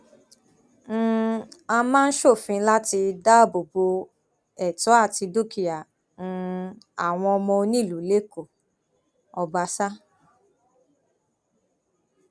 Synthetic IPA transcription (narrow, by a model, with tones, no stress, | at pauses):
a˧mãː˦˧n̩˦ʃo˦˨fĩ˧˦la˦ti˧da˦˨bo˨bo˧ | ɛ˦˨tɔ˨˦a˦˨ti˧do˦˨ki˨jã˨˦˧ | a˨w̃ɔ̃˧ɔ˧mɔ̃˧o˧nĩ˦˨lu˨˦le˦ko˨ | ɔ˧ba˧sa˦